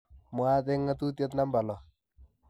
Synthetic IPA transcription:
mwa˦t̪e˦ŋːa˦t̪u˦t̪̬je˦t̪̬na˦mba˨lɔ˨

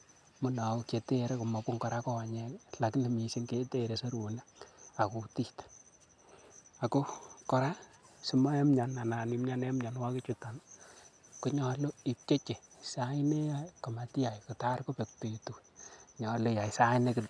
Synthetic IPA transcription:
mʊ˦na˨˦ke˨te˦ɾe˦ku˨mɔ˨pʊ˦ŋkɔ˨ɾa˦kɔ˦˨ɲe˦la˨kle˨mi˨si˦ŋke˦te˦ɾe˨so˦ɾu˨na˦a˨ku˨ti˦t | a˨ko˦kɔ˦ɾa˦si˦ma˦ɛ˦mɲa˨na˨na˨ni˨mɲa˦ne˦mɲa˨nwa˦ki˦t͡ʃuta˨n | ku˨˦ɲɔ˨lo˦i˨p̚t͡ʃe˦t͡ʃe˨sa˦i˦ne˦jaka˨ma˨ti˦a˨jku˨ta˦rko˦pe˨k̚te˨tu˨ɲɔ˨lo˦ja˨jsa˦ine˦kɪ˨

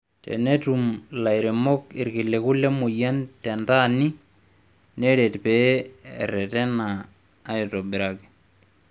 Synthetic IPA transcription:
tɛ̰˨ne˦tu˨mla˨jɾɛ˨mɔ˦k̚i˨ɾki˨lɛ˨ku˦lɛ˦mu˨ja˦ntɛ˨nta˦ni˦ | nɛ˦ɾɛ˨tpḛː˦˨ɾɛ˨tɛ˦naː˨˦ | ji˨to˨bi˨ɾa˨kɛ̥˨

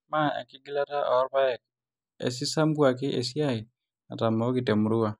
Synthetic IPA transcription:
ma˦a̰˨kɪ˦ɡi˦la˦ta˦ʔɔ˨˦ɾba˦ɛ˨k̚ | ḛ˨s̬i˦sa˦mku˦a˨k̬ɪ˦ʔe˨si˦a˦˨ɪ˨ | a̰˨ta˨ma˨˦kɪ˨tɛ˨mu˨ɾu˦a˨

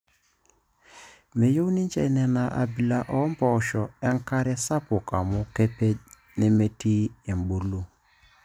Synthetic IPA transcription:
me˨jo˦wni˦n˦t͡ʃɛ̰˨˦nɛ˨na˨ʔa̰˨bi˨la˨ʔɔ˦m˦pɔ˨ʃɔ˨ɛ˦ŋ̩˦ka˦ɾɛ˦sa˦pʊ˨ka˨mʊ˦ke˦pe˦ | ni˦me˦ti˦e˨m˨bu˨lu˦

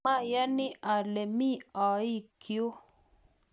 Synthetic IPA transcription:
a˦ja˦ni˦ʔa˨le˨mi˦ɔ˨i˦kʰi˨o˦

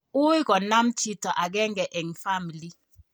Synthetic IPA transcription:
u˦ɡɔ˨na˦mti˦tɔ˨ʔa˨ɡɛ˦ŋ˦ɡɛ˨ʔɛ˨ŋfa˦mi˨li˦

